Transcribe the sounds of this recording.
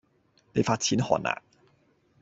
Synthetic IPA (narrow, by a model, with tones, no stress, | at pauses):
ne˨˧jfaː˧t̚t͡sʰiː˨˥nhɔ̰ː˨˩nʔa̰ː˨˩ŋ